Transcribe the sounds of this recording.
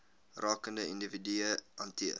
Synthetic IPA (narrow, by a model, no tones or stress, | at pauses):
rɑːkəndəindividyəʔɑntiə